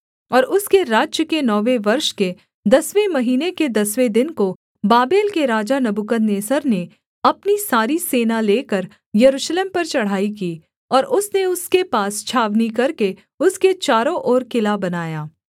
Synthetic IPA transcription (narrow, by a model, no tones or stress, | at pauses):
ɔːɾʊskeɾaːd͡ʒjəkenɔːʋeʋɐɾʃke | d̪ɐsʋemɐɦiːneked̪ɐsʋed̪ɪnko | baːbeːlkeɾaːd͡ʒanɐbukənneːsəɾne | ɐpnisaːɾiseːnaleːkɐɾ | jɐɾuːʃleːmpɐɾt͡ʃɐɽ̤aːikiː | ɔːɾʔʊsneʊskepaːst͡ʃʰaːʋnikɐɾke | ʊsket͡ʃaːɾõʔɔːɾkɪlabɐnaːjaː